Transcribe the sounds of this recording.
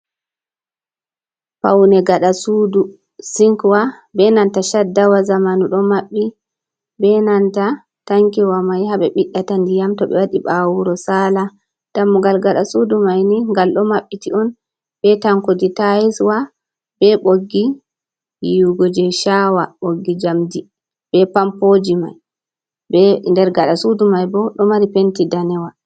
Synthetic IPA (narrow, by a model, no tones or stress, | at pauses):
pawnɛɡaɗasudu | siŋkwabɛnantaʃadːawazamanuɗɔmaɓːi | bɛnanta | taŋkiwamajhaɓɛɓiɗːatandijamtɔɓɛ̰waɗiɓawuɾɔsala | d̥amːuɡalɡaɗasudumajniŋɡalɗɔmaɓːitiɔn | bɛtaŋkoditajɛswa | b̥ɛɓoɡːi | jiɡɔd͡ʒɛʃawaɓoɡːid͡ʒamdi | b̥ɛpampod͡ʒima̰j | bɛndɛɾɡaɗasudumajbɔɗɔmaɾipentidanɛwa